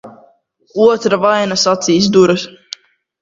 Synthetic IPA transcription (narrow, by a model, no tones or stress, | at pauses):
uɔt̪ɾavajnasat̪siːs̬d̪uɾɨs